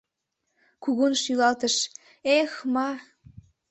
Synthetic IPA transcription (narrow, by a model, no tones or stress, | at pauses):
kuɣunʃylɑlt̪əʃ | exmɑ